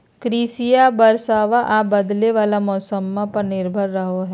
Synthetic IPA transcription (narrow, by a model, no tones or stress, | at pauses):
kɾiːsijabɐɾsaːʋaʔaːbɐd̪leʋaːlamɔːsəmːãpɐɾnɪɾbʱəɾːɐɦoɦɛː